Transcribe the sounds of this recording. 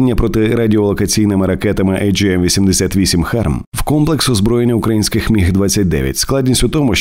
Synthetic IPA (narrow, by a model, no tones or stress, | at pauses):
nʲːɐpɾɔt̪ɪɾɐdʲiɔlˠɔkɐt͡sʲijnɪmɪɾɐkɛt̪ɐmɪʔɛjd͡ʒɛmʋʲisʲimd̪esʲat̪ʋʲisʲimxɛrm | wkɔmplˠeksɔzbɾɔjenʲːɐʊkɾɐjinʲsʲkɪxmʲiɦd̪ʋat͡sʲːɐt̚ʲd̪ɛ̰ʋʲjɐ̰tʲsklˠadʲnʲisʲtʲʊt̪ɔmʊʃ